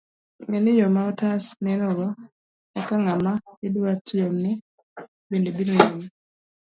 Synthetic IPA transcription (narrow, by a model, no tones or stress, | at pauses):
ŋɛnɪjɔmaɔtasnɛnɔɡɔ | akaŋamaɪduatjɔmnɛ | bendebinojomi